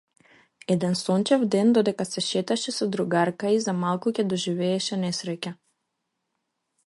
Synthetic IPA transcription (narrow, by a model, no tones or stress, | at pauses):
ɛd̪ɛnsɔncɛvd̪ɛnd̪ɔd̪ɛkasɛʃɛt̪aʃɛsɔd̪ɾuɡaɾkaizamalˠkucɛd̪ɔʒivɛːʃɛnɛsɾɛcʲa